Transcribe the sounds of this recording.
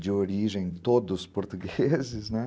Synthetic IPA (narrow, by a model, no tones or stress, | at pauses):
d͡ʒɪoɾiʒẽj̃t̪od̪ʊspoɾt̪uɡezɪznɛ